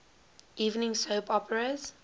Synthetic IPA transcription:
ʔiːvnɪ̃ŋsoːpɔpəɹəz̥

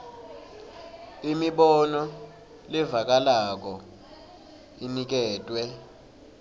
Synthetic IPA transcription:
imiɓɔnɔ | livak̬ʼalak̬ɔ | inik̬ɛːtʼwɛ

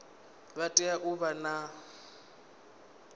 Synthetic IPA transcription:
βatʼɛaʔuβana

